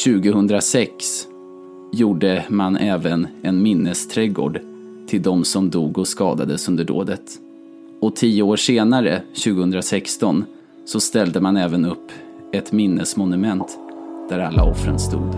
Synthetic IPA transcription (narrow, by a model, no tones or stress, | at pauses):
ɕʉ̟ːɡəhɵnd̪ɾasɛks | juːɖəmanʔɛːvənɛnmɪnːəst̪ʰɾɛɡo̰ːɖ | t̪ʰɪld̪ɔmsɔmd̪uːɡɔskɑ̰ːd̪a̰d̪əsɵnd̪əɖo̰ːd̪ət̪ | ɔt̪ʰiːəoːʂeːnaɾə̰ɕʉ̟ːɡəhɵnd̪ɾasɛkst̪ɔn | sɔst̪ɛld̪əmanɛːvənɵpː | ɛt̪mɪnːəsmʊnɵmɛnt̪d̪̥æɾalːa̰ɔfɾə̰nst̪ṵːd̪